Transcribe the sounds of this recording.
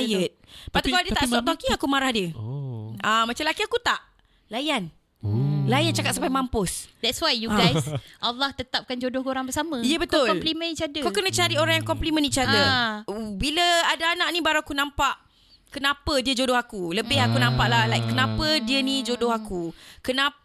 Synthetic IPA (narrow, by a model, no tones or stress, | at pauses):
jət̪̚pat̪ukaldiət̪aʔt̪ɔʔ̚t̪ɔkiakumaɾahdiə | amat͡ʃamlakiakut̪aʔ | lajan | lajant͡ʃakat̪sampajmampʊsdɛtswajjuɡajsʔalːaht̪ət̪ap̚kand͡ʒodʊhɡoɾaŋbəsamə̃ijəbət̪ʊlkɔmplimə̃nit͡ʃadəkawkənə̃t͡ʃaɾioɾãŋjaŋkɔmplimə̃nit͡ʃiadə | biləadaːnaʔnibaɾaakunãmpaʔ | kənapədiəd͡ʒodʊhakuləbɪhakunãmpaʔlahlajkːənapədiənid͡ʒodʊɦakukəna